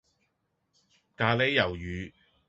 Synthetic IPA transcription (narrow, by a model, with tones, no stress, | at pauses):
kaː˧le˧˥jːɐ˨˩wjyː˨˧